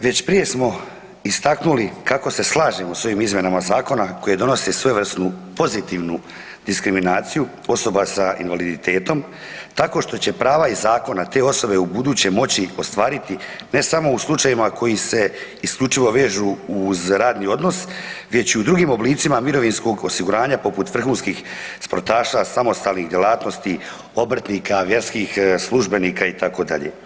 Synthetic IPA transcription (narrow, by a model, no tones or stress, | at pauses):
ʋe̞t͡ɕpɾije̞smo̞ | ist̪aknulikako̞se̞slˠaːʒemoso̞jiːmizmʲje̞namazaːko̞nako̞je̞d̪o̞no̞se̞sʋeʋr̩st̪nupo̞zit̪iʋnu | d̪iskɾiminaːt̪siju | o̞so̞basaḭnʋalid̪it̪e̞ːt̪o̞m | t̪ako̞ʃt̪o̞t͡ɕe̞pɾaːʋaizaːko̞nat̪e̞ːo̞so̞be̞ubud̪uːt͡ɕe̞mo̞t͡ɕio̞st̪ʋaːɾit̪ine̞samo̞uslˠut͡ʃajimakʰo̞jise̞ | iskʎʲut͡ʃiʋo̞ʋe̞ːʒuːzɾaːd̪nio̞d̪no̞sʋe̞t͡ɕiud̪ɾuɡiːmo̞bliːt̪simamiɾo̞ʋinsko̞ɡosiɡuɾaːɲapo̞put̪ʋr̩xuːnskiːxspo̞̰ɾt̪aːʃasamo̞st̪aːlˠnixd̪je̞lˠaːt̪nost̪i | obr̩t̪niːkʰaʋje̞ɾskiːxslˠuʒbe̞niːkait̪ako̞d̪a̰ʎḛ